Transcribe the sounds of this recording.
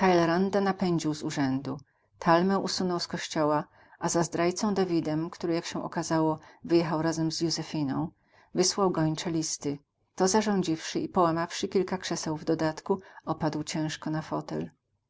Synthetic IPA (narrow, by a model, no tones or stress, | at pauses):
t̪ajlɛɾand̪anapɛɲd͡ʑiwzuʐɛnd̪u | t̪ʰalmɛ̃ʔusunɔwskɔɕt͡ɕɔwa | ʔazazd̪ɾajt̪sɔ̃w̃d̪avʲid̪ɛmkt̪uɾɘjakɕɛ̃ʔɔ̰kazawɔvɘjɛxawɾazɛmzjuzɛfʲinɔ̃w̃ | vɘswawɡɔɲt͡ʂɛlʲist̪ɘ | t̪ɔzaʐɔ̃w̃d͡ʑifʂɘipɔwamafʂɘkʲilkakʂɛsɛwvd̪ɔd̪at̪kuɔpad̪wt͡ɕɛ̃w̃ʂkɔnafɔt̪ɛ̰l